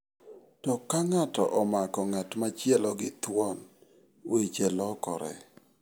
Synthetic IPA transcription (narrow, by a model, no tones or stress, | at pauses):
tɔkːaŋatɔ̰ʔɔmakɔŋatmat͡ʃjɛlɔɡɪt̪wɔn | wet͡ʃelɔkɔ̰ɾɛ̰